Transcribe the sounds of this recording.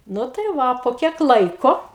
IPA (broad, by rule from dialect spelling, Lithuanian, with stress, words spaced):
ˈnʊ tɐɪ ˈʋɐ poː ˈkʲiɛk ˈlˠɐɪkoː